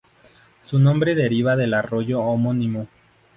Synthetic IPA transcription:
sunõ̞mbɾeðe̞ɾiβaðe̞laro̞ʝoːmonĩmo

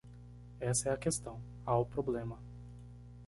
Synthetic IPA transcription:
ɛsɐɛɐkest̪ɐ̃w̃ | awpɾoblẽmɐ

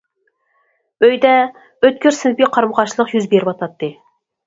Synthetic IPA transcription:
øjd̪ɛ | øt̪̚kʲʰyɾsɪnpiqʰɑɾmʁɑʃlˠəqjyzbeɾɪpɑt̪ʰɑt̪ːɨ

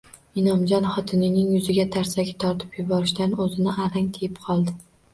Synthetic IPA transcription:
ɪnɒmd͡ʒɒnχɒt̪ʰɪnɪnɪŋjʊzɪɡʲat̪ʰaɾsaɡʲɪ̥t̪ʰɒɾt̪ʰɪ̥pjʊbɒɾɪʃd̪anɵzɪnɪʔaɾaŋʲt̪ʰejɪpqʰɒlˠd̪ɪ

